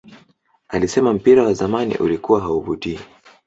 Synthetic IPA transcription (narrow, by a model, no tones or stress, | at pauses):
alisɛmam̩piɾawazamanḭʔṵlikuwaɦauvutii